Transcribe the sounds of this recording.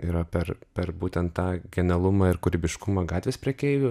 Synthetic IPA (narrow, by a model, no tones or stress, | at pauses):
iːɾɐpʲɛrpʲɛrbuːt̪ʲɛnt̪t̪ɑːɡʲɛnʲɛlˠʊmɑːɪɾkʊɾʲɪbʲɪʃkʊmɐɡɑːt̪ʲʋʲeːspʲɾʲiɛkʲɛɪʋʲʊ